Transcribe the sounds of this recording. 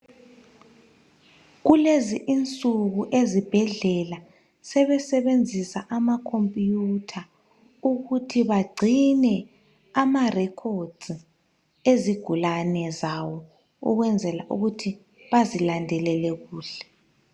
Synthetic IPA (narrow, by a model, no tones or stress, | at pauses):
ɣuleziʔint͡sʼuɣuʔezib̥ʱɛɮɛla | sɛβɛsɛβend͡zʱisaʔamakʰompʼjutʰa | uɣutʰiβaɡ͡ǀʱinɛ | amarɛkʰod̥z | eziɡ̥ʱulanɛzawɔ | ṵɣwɛnd͡zʱɛlaʔuɣutʰi | βazilandʱɛlɛlɛɣuːɬɛ̥